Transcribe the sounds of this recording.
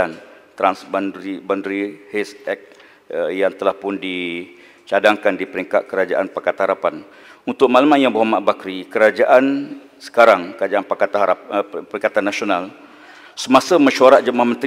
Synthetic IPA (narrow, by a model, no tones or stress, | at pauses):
ant̪ɾansbanibandɾihɛsɛk̚ | əjaŋt̪əlahpʊndi | t͡ʃadaŋkandipəɾiŋkat̪̚kəɾad͡ʒaʔanpakat̪haɾapan | unt̪ʊk̚malamanjaŋbaɦwamaʔbakɾikəɾad͡ʒaʔan | sə̥kaɾaŋkəɾad͡ʒaʔanpaat̪apəɾiŋkat̪anːasional | səmãsəməʃuaɾat̪̚d͡ʒəmahmə̃nt̪